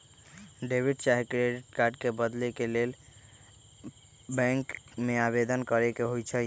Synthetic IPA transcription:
ɖebʱiɖt͡ʃaɦikɾeɖiʈkaɾɖkebəd̪lekelel | bɛ̃ŋkmeabed̪ənkəɾekeɦojt͡ʃʰə

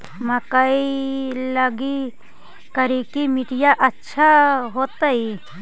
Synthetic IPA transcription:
məkəiləɡi | kəɾikimiʈijaʔɐtːʃʰaɦot̪ai

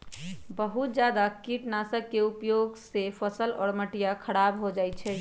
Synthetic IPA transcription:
bəɦut̪̚d͡ʒjad̪akiʈnasəkːeupjoɡsepʰəsəlɔːɾməʈijakʰəɽabɦod͡ʒajt͡ʃʰɛ

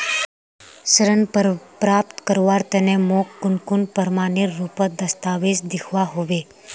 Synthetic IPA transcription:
səɾənpəpɾaːp̚t̪kəɾʋaːɾt̪ɛnẽmoːkːʊnkʊnpəɾmaːnɪɾːuːpəd̪ɐst̪aːʋesd̪ɪkʰʋaɦoːʋeː

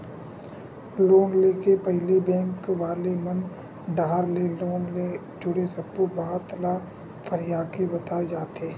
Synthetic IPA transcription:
loːnleːkepɛɦlibɛ̃ːŋkʋaːlemɐn | ɖaːɾleloːnle | d͡ʒʊɽesəpːobaːɦt̪la | fʰəɾɪjaːkebɐt̪aed͡ʒaːt̪eː

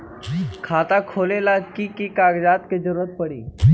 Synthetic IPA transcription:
kʰat̪akʰolelakikiːkaɡd͡zat̪ked͡zəɾuɾət̪̚pəɽḭː

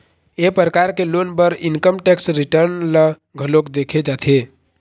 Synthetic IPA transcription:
epɾəkaɾkelonpəɾinkəmʈɛksɾiʈəɾnlə | ɡʱəlokd̪ekʰed͡ʒat̪ʰe

